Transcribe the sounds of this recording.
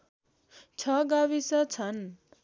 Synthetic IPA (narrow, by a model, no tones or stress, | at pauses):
t͡sʰʌɡawisʌt͡sʰʌn